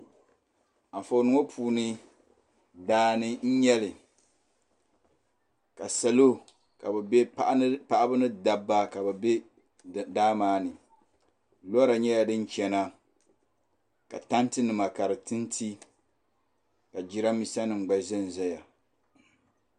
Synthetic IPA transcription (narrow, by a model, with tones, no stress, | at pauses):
a˨fo˨nɨ˦ŋo˦pʰuː˨nɨ˦ | daː˦nɨ˦n̩˦ɲɛ˦lɨ˨ | ka˨sa˨lo˦ | ka˨bɛ˨bɛ˦pa˨ʔpa˦ʔa˦bɨ˦nɨ˦da˨bːa˦ka˨ba˨bɛ˦ | daː˦maː˦nɨ˨ | lɔ˦ɾa˨ɲɛ˦ja˨dɨ˦n˦t͡ʃɛ˨na˦ | ka˨ta˦ntɨ˦nɨ˨ma˨ka˨ɾɨ˨tɨ˦ntʰi˦ | ka˨d͡ʒi˦ɾa˦mi˦sa˦nɨ˨ŋ͡m̩˨ɡ͡ba˨zɛ˦n˨zɛ˦ja˨